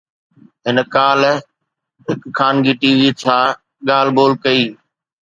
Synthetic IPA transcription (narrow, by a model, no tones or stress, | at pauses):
ɦɪnkaːl | ɦɪkkʰaːnɡiːʈiːʋiːt͡ɕʰaː | ɠaːl̤boːlkɐiː